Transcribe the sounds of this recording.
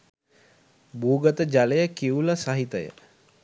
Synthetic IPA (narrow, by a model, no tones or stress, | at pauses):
buːɡət̪əd͡ʒaləjəkiuləsaɦit̪əjə̰